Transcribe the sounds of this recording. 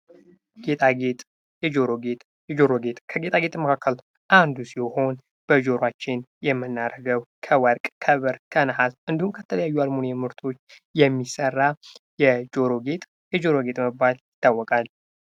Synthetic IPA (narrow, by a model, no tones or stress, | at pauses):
ɡ̥et̪ʰʼaɡet̪ʼ | jɛd͡ʒoɾoɡet̪ʼ | jɛd͡ʒoɾoɡet̪kʰəɡe̞t̪ʼaɡe̞t̪ʼməkʰakːəl | ʔand̪usiho̞n | b̥əd͡ʒo̞ɾat͡ʃːɪnjɛmːɨnːaɾəɡəwkʰəwəɾkʼkʰəβəɾkʰənəhalʔɨnd̪ihumkʰət̪ʰələjajːualmonjɛmɨɾt̪ʰo̞t͡ʃː | jɛmːisərːajɛd͡ʒo̞ɾoɡet̪ʼ | jɛd͡ʒo̞ɾo̞ɡe̞t̪ʼməbaljɪt̪ʰːawːɔkʼal